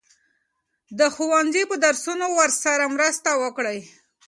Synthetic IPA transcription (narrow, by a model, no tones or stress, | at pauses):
d̪əxuwanzipəd̪aɾsunowəɾsaɾamɾəst̪awəkɽəj